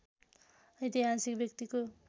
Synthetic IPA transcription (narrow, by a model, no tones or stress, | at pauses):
ʌjt̪iɦasikbjʌkt̪iko